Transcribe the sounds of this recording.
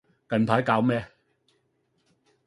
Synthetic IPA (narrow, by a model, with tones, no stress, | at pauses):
kɐ˨˩npʰaː˨˥jkaː˧wmɛː˥